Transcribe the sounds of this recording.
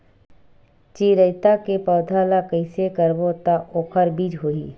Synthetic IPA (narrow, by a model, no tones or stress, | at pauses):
t͡ʃiːɾəjt̪akepɔːd̪ʱaːlakəɪsekəɾbot̪aʔoːxʰəɾbiːd͡ʒɦoːiː